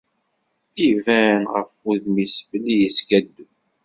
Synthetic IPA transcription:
ivænʁəfuðmisbəlːijəskæd̪ːu

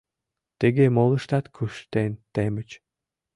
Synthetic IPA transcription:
t̪eɡemolˠɯ̆ʃt̪at̪kʰyʃt̪ent̪emɘt͡ɕ

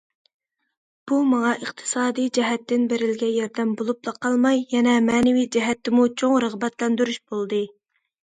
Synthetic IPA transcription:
b̥umɑŋɑʔəqt̪ʰɨ̥sɑːd̪ijd͡ʒɛɦɛt̪ːɪnbeɾɪlɡʲɛjɑɾd̪ɛmbolˠuplˠɑqʰɑlˠmɑjːɛnɛmɛːnɪvijd͡ʒɛɦɛt̪ːɪmut͡ʃʰoŋɾəʁbɛt̪lɛnd̪yɾyʃb̥olˠd̪ɨ

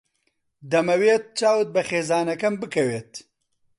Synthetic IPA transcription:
d̪ɐmɐweːt̪̚t͡ʃaːwɨt̪̚bɐχeːzaːnɐkɐmbɨkɐweːt̪

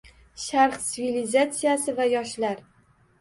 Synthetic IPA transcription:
ʃaɾχt̪sɪvilizat̪sijasɪvajɒʃlaɾ

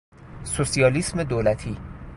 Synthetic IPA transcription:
sosijɒːlisme̞d̪oːlæt̪ʰiː

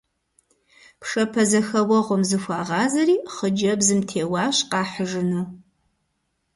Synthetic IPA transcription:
pʰʂɐpʰɐzɐxɐwɔʁʷʊmzɨxʷɑːʁɑːzɐɾiːχəd͡ʒɐbzɨmtʰeːwɑːɕqɑːħəʒɨnuː

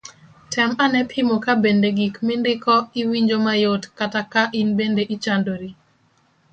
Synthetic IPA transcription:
tʰɛmanɛpʰɪmokabendeɡikmɪndɪkɔiwiɲd͡ʒomajotkatakaʔinbendeʔit͡ʃandoɾi

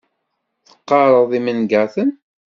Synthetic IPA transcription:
θə̥qːɑɾˤəðˤimənɡæθən

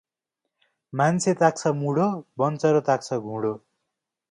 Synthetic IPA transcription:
mant͡sʰet̪ak̚t͡sʰʌmuɽobʌnt͡sʌɾot̪ak̚t͡sʰʌɡʱũɽo

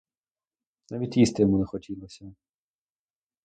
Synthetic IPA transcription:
naʋʲitʲist̪ɪjɔmunɛxɔtʲilˠɔsʲɐ

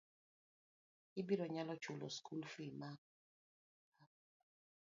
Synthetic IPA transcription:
ibiɾɔɲalɔt͡ʃulɔ̰skʰulfima | a

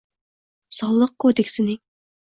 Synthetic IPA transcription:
sɑwlˠːəq̚kʰod̪ekʲsɪnɪ

